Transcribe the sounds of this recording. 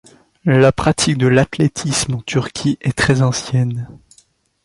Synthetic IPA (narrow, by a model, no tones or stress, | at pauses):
lapχat̪ʰik̚d̪əlat̪let̪ʰismɑ̃t̪yʁkʲʰiʔɛt̪χɛzɑ̃sjɛn